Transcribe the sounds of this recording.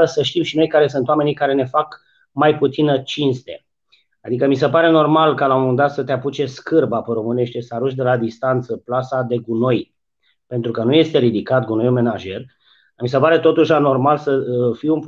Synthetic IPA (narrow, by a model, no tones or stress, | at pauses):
əsəʃt̪imʃino̞jkaɾe̞sɨnt̪owame̞nikaɾe̞ne̞fak | majput̪sinət͡ʃinst̪e̞ | ad̪ikəmise̞paɾe̞no̞rmalkalaomuɨnd̪at̪sət̪eaput͡ʃe̞skɨrbapəɾo̞mɨne̞ʃt̪e̞saɾuʃʲd̪e̞lad̪ist̪ant̪səplasad̪e̞ɡuno̞j | pe̞nt̪ɾukənuje̞st̪e̞ɾid̪ikat̪̚ɡuno̞jume̞naʒe̞r | mis̬epaɾe̞t̪o̞t̪uʃlano̞rmalsəfijunp